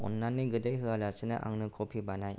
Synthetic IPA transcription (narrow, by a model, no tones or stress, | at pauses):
ɔ̰nːanːiɡɯdejɦɯalasɯnɯ̰ʔa̰ŋnɯkʰɔpʰibanaj